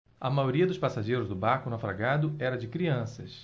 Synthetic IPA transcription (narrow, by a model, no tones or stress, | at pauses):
ɐmajoɾiɐd̪ʊspasaʒejɾʊzd̪ʊbaɾkʊnafɾaɡad̪ʊɛɾɐd͡ʒɪkɾiɐ̃sɐ̰s